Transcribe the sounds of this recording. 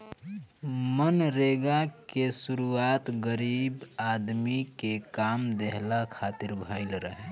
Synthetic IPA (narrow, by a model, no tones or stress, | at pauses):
mənɾeɡakesuɾuaːt̪ɡəɾiːbad̪mikekaːmd̪eɦlakʰaːt̪ɪɾbʱaɪlɾəɦɛ